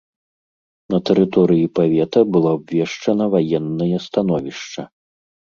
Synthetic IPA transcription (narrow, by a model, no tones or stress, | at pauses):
nɐt̪ɛɾɨt̪ɔɾɨjipavʲɛt̪ɐbɨlˠɔbvʲɛʂt͡ʂɐnɐvajɛnːɐjɐst̪an̪ɔvʲiʂt͡ʂɐ